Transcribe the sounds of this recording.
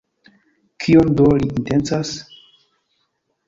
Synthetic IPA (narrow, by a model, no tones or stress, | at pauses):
kʰiondoliintent͡sas